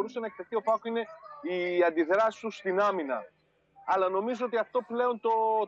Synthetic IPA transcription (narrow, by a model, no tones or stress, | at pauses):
ɾuse̞nɐek̚t̪eθio̞pɐkoine̞iɐnd̪iðɾɐsi̥st̪ust̪inɐminɐ̰ | ɐlɐno̞mizoo̞t̪iɐft̪o̞ple̞o̞nt̪o